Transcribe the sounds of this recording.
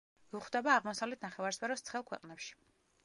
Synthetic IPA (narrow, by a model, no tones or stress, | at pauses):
uχd̪ɛbaːʁmɔsavlɛt̪ʰnaχɛvaɾspʰɛɾɔst̪sʰχɛlˠkʰwɛ̰qʼnɛpʃi̥